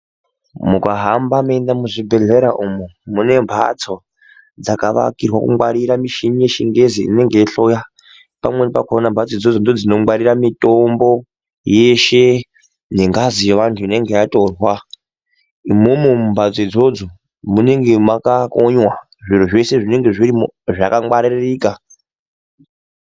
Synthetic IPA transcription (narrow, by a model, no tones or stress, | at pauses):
mukʼaɦambamendamuzibeɮeɾaʔumumunembʱa̰t͡sʰo | d͡zakaʋa̰kʼirwakṵmaɾiɾamiʃiɲijeʃiŋɡeziḭneŋɡeɬoja | pamwenipakʰonambʱat͡sʰoid͡zod͡zondod͡zinoaɾiɾamitʼombo | jeʃe | neŋɡazijeʋantʰuine̞ŋɡejatʼorwa | imumumumbʱad͡zoid͡zod͡zo | muneŋɡemwakakoɲwa | ʐiɾ̤oʐeseʐineŋɡeʐiɾimoʐakaŋɡ͡baɾiɾeriːka